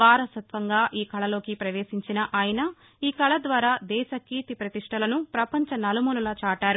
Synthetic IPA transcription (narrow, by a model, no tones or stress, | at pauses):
ʋaːɾɐsɐt̪ʋɐŋɡaːʔiːkʰɐɭɐlo̞ːkipɾɐʋeːʃiɲt͡ʃinɐʔaːjɐnɐ | iːkʰɐɭɐd̪ʋaːɾaːd̪ɛːʃɐkiːt̪ipɾɐt̪iʂʈʰɐlɐnupɾɐpɐɲt͡ʃɐnɐlɐmululɐt͡ʃaːʈaːɾu